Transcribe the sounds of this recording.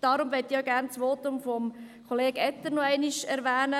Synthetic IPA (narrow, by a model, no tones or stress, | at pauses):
d̥ɑːɾʊmʋɛt̪ːioɡæːrnt͡sʋɔːtʊmfɔmkʰoleːɡɛt̪ːəɾnɔɛɪniʃɛɾʋæːnə